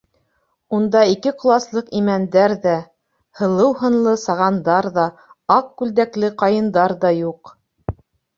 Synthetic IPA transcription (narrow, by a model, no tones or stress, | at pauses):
und̪ɑikɘqŏlˠɑslˠɤqimænd̪æɾðæ | hɤ̆lˠɤwhɤ̆nlˠɤsɑʁɑnd̪ɑɾðɑɑqkʉld̪æklɘqɑjɤ̆nd̪ɑɾðɑjuq